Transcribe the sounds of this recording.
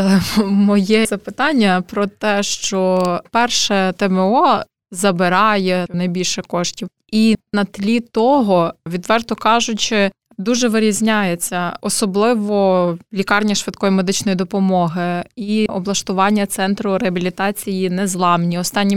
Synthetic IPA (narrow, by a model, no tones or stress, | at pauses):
mɔjɛzɐpɪt̪ɑnʲːɐpɾɔt̪ɛʃt͡ʃɔpɛrʃɛt̪ɛmeɔ | zɐbɪɾɑjɛnɐjbʲilʲʃɛkɔʃtʲiw | inɐt̪lʲit̪ɔɦɔʋʲid̪ʋɛrt̪ʊkɑʒʊt͡ʃɪ | d̪uʒɛʋɪɾʲizʲnʲajet͡sʲːɐɔsɔblˠɪʋɔlʲikɑrnʲɐʃʋɪt̪̚kɔjimed̪ɪt͡ʃnɔjid̪ɔpɔmɔɦɪiɔblˠɐʃt̪ʊʋɑnʲːɐt̪sɛnt̪ɾʊɾeɐbʲilʲit̪ɑt͡sʲijinɛzlˠɑmnʲiɔst̪ɑnʲːi